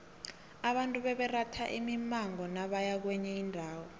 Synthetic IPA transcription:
aɓantʼuɓɛɓɛratʰaʔḭmimaŋɔnaɓajak̬wɛɲɛindʱaːwɔ

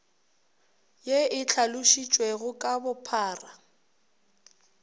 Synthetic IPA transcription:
jeɪt͡ɬʰalʊʃit͡ʃʼwɛɣʊkʼabʊpʰaːra

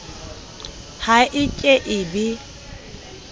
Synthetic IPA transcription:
haʔɪt͡ʃʼeʔɪbɪ

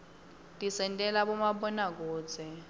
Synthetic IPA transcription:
tʼisɛntʼɛlaɓɔmaɓɔnak̬ɔːd͡zʰʼɛ

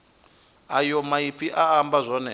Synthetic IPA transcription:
ajɔmaipiʔaːmbazʷɔnɛ

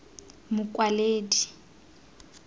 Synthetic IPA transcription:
mʊkʼwaleːdi

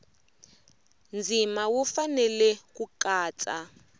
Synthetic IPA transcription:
nd͡zʱimawufanɛlɛkukaːt͡sʼa

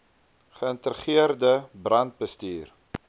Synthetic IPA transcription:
χəəntəɾəχiərdəbrɐnt̚bəstyːr

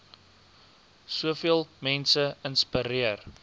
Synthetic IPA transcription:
suəfiəlˠmɛnsəənspəɾiər

